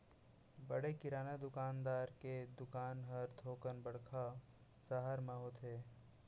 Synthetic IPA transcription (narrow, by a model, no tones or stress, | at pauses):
bəɽekɪɾaːnad̪ʊkaːnd̪aːɾked̪ʊkaːnɦəɾt̪ʰoːkənbəɽkʰa | saɦaɾmaɦot̪ɦeː